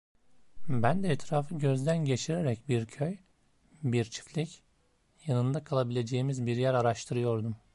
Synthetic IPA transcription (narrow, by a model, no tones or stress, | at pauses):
bænd̪ɛːt̪ʰɾaːfɯɟø̞zd̪ænɟe̞t͡ʃʰiɾeɾɛcbiɾcʰøj | biɾt͡ʃʰi̥flʲic | janɯnd̪akʰalˠabilʲe̞d͡ʒe̞jimizbiɾjæɾaɾaʃt̪ʰɯɾɯjo̞ɾd̪um